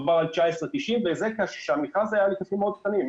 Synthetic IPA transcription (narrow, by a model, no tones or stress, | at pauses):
baʁalt͡ʃaesʁet̪iʃimvezekaʃʃamiχazajalikatimeod̪k̚t̪anim